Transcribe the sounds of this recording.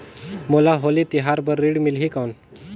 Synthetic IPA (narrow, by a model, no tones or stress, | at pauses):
molaɦolit̪iɦaɾbəɾːiɽmilɦikawn